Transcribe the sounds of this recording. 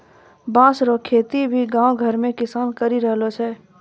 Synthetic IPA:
bãːsɾokʰeːt̪ibʱiɡãːwɡʱəɾmẽkɪsaːnkəɾiɾəɦlot͡ʃʰɛː

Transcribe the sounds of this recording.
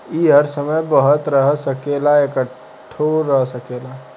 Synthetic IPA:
iːɦəɾsəməjbəɦət̪ɾəɦsəkelaekə | ʈʰːoɾəɦsəkeːla

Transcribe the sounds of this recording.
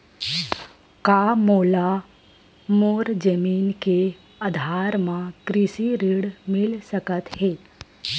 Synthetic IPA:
kaːmoːla | moːɾd͡ʒəmiːnke | əd̪ʱaːɾmãkɾɪsiɾiɽmɪlsəkət̪heː

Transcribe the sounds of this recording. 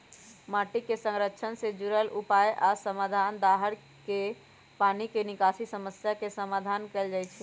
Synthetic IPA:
maʈikesə̃ŋɾəkːt͡ʃʰənsed͡ʒuɾəlʔupajʔasəmad̪ʱand̪aɦəɾ | ke | panikenikasisəməsjakesəmad̪ʱankeːld͡ʒajt͡ʃʰɛ

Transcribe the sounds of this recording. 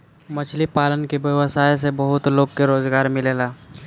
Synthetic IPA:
mɐt͡ʃʰlipaːlənkebjɐʋəsaːjs̬ebɐɦʊt̪loːɡkeɾoːzɡaːɾmɪleːlaː

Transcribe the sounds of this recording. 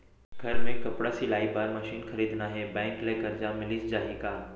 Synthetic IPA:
ɡʱɐɾmẽkɐpɽasilaːibaːɾmɐʃiːnxɐɾiːd̪ʱnaɦeːbɛ̃ːŋkleːkəɾd͡ʑaːmɪlɪd͡ʑd͡ʑaːɦikaː

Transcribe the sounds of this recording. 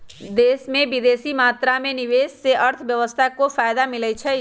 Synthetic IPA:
d̪eːsmẽbɪd̪eːsimaːt̪ɾamẽnɪʋeːsseʔəɾt̪ʰbjəʋəst̪ʰakofaːjd̪amɪlɛt͡ʃʰɛ

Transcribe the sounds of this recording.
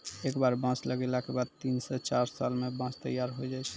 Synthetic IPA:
ekbaɾbãsləɡɛlakebad̪̚t̪insɛt͡ʃaɾsalmebãt͡ʃʰt̪əjaɾɦojd͡ʒajt͡ʃʰɛ̥

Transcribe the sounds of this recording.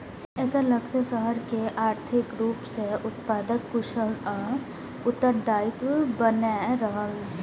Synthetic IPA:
eːkələkt͡ʃesəɦəɾkeʔaːɾt̪ʰɪkɾuːpseʔʊt̪paːd̪əkːʊʃəlɔː | ʊt̪ːəɾd̪aːɪt̪bəneɾəɦəl

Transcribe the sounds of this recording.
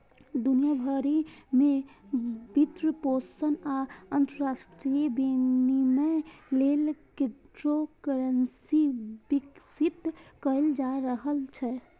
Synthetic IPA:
d̪unijabʱəɾime | bit̪ɾəposənaənt̪əɾasʈɾibinimelelkit̪ɾokəɾənsibiksit̪kəld͡ʒaɾəɦəlt͡ʃʰɛ

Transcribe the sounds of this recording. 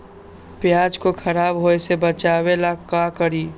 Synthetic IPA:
pjaːd͡ʒkokʰəɾaːbɦoesebət͡ʃaːwelakakəɾi

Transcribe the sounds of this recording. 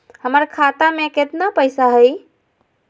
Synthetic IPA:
həməɾkʰat̪ameket̪napəjsaɦəj

